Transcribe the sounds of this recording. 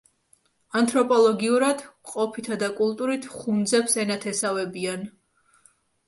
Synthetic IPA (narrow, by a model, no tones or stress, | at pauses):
ant̪ʰʼɾɔpʼɔlˠɔɡiuɾad̪̥qʼɔpʰit̪ʰad̪akʼulˠt̪ʼuɾit̪ʰχund̪zɛpsɛnat̪ʰɛsavɛbian